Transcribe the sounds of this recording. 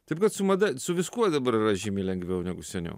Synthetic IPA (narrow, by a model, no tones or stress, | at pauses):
t̪ɐɪp̚kɐt̪sʊmɐd̪ɐsʊʋʲɪskuɔd̪ɐbɐɾɪɾɐʒʲiːmʲiːlʲɛŋɡʋʲɛʊnʲæɡʊsʲɛnʲɛ̰ʊ